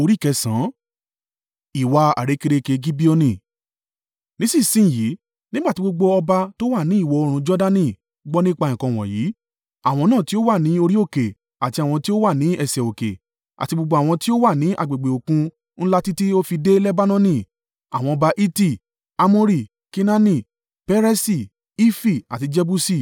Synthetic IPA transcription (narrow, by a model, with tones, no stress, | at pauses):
o˧ɾi˦˨kɛ˧sã˨˦ | i˨wa˧a̰˨ɾe˨˦ke˧ɾe˧ke˧ɡi˦bi˦o˧nĩ˧˨ | nĩ˦sĩ˦˨sĩ˦˨ji˨˦ | nĩ˦ɡ͡ba˦˨ti˨˦ɡ͡bo˧ɡ͡bo˧ɔ˧ba˧to˦wa˦˨nĩ˨˦i˦˨wɔ˨˧o˧ɾ̃ũ˧d͡ʒɔ˦da˦nĩ˦˨ | ɡ͡bɔ˦nĩ˦k͡pa˧ĩ˨kɔ̃˧w̃ɔ̰̃˨ji˨˦ | a˨w̃ɔ̃˧nãː˦˨ti˦o˦wa˦˨nĩ˨˦o˧ɾi˦o˦˨ke˨ | a˨ti˧a˨w̃ɔ̃˧ti˦o˦wa˦˨nĩ˨˦ɛ˦˨sɛ˨o˨kḛ˨ | a̰˨ti˧ɡ͡bo˧ɡ͡bo˧a˨w̃ɔ̃˧ti˦o˦wa˦˨nĩ˨˦ʔa̰˦˨ɡ͡be˨ɡ͡be˨o˨kũ˧ | n̩˦la˦ti˦ti˦o˦fi˧de˦lɛ˦ba˦nɔ̃˦nĩ˦˨ | a̰˨w̃ɔ̃˧ɔ˧ba˧ʔi˦ti˦˨ | a˧mɔ̃˦ɾi˦˨ | ki˦na˦nĩ˦˨ | pɛ˦ɾɛ˦si˦˨ | i˦fi˦˨a̰˨ti˧d͡ʒɛ˧bu˦si˦˨